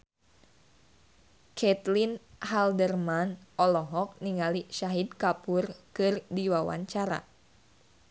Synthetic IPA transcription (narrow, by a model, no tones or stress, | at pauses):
kʰɛt̪linhaldərmanɔlɔɦɔk̚niŋaliʃaɦidkapurkɨrdiwawa̰ɲt͡ʃaɾa̰